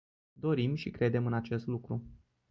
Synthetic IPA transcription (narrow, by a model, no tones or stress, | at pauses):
d̪o̞ɾimʃikɾe̞d̪e̞mɨnat͡ʃe̞st̪lukɾu